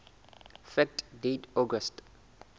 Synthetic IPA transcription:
fɛk̚tdedɔɡəst

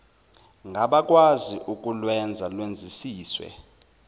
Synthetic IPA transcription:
ŋɡʱaɓak̬ʼwaziʔuk̬ʼulwɛnd͡zʱalwend͡zʱisiːswɛ̰

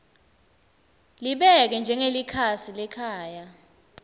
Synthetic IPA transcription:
liɓɛk̬ɛnd͡ʒʱɛŋelikʰasilɛkʰaːja

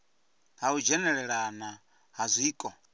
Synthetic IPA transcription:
ɦaud͡ʒɛnɛɺɛɺana | ɦazʷiːkʼɔ

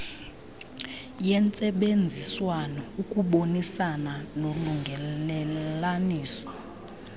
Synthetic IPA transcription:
jɛnt͡sʼɛɓend͡zʱiswanɔukʼuɓonisananoluŋɡʱɛlɛlaniːsɔ̥

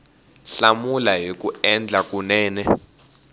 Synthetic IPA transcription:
ɬamulaɦik̬ʼuɛnd͡ɮʱak̬ʼunɛːnɛ

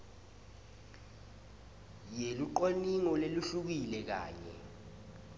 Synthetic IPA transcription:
jeluǃoniŋɔleluɬuk̬ilɛk̬a̰ːɲɛ̰

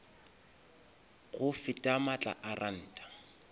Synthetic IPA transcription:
ɣʊfɪtʼamat͡ɬʼa̰ʔarʔan̩ːtʼḁ

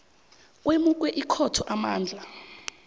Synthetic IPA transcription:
k̬ʼwemuk̬wɛʔikʰɔtʰɔʔamaːnd͡ɮʱa

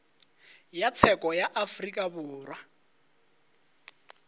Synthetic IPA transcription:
jat͡sʰɛkʼɔjaʔafrikʼabʊːrwa

